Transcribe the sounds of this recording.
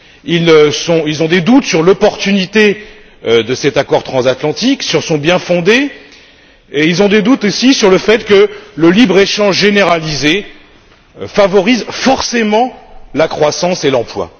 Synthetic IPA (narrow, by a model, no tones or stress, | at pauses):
ilsɔ̃ilzɔ̃d̪ed̪ut̪syʁlɔpɔʁt̪ynit̪e | d̪əsɛt̪akɔʁt̪χɑ̃zat̪lɑ̃t̪iksyʁsɔ̃bjɛ̃fɔ̃d̪e | eilzɔ̃d̪ed̪ut̪osisyʁləfɛt̪kələlibʁeʃɑ̃ʒʒeneʁalize | favɔʁizfɔʁsemɑ̃lakχwasɑ̃selɑ̃plwa̰